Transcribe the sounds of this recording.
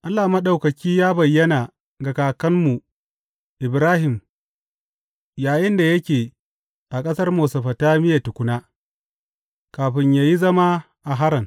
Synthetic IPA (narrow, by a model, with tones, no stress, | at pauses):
ʔa˦lːaː˨mɐ˦ɗa˨wkɐ˨kʲiː˦jaː˦bɐ˨jːɐ˦naː˨ | ɡɐ˨kaː˨kɐ˦mmːu˨ | ʔɪ˨bɾaː˦hɪ˨m | jaː˨jɪ˦nda˨jɐ˦kʲeː˨ | ʔa˨kʼɐ˦sɐ˦rmoː˨sɐ˨ɸɐ˨taː˦mɪ˦ja˨tʊ˨kʷʊ˦naː˦ | kaː˨ɸɪ˦ɲjaː˦ji˦zɐ˦ma˦ | ʔa˨ɦa˦ɾɐ˨ŋ